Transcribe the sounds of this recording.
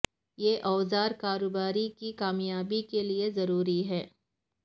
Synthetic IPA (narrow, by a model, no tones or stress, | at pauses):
jeːʔɔːzaːɾkaːɾoːbaːɾikikaːmjaːbikeliezɐɾuːɾiɦɛː